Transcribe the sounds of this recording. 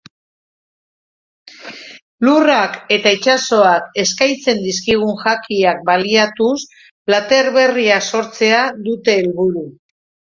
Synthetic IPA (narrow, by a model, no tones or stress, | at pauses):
lurake̞t̪ait͡ʃaso̞ake̞skajt͡se̞nd̪iskiɣ̞uŋʝakiak̚baliat̪us | plat̪e̞ɾβe̞riaso̞ɾt͡se̞aðut̪e̞ːlβuɾu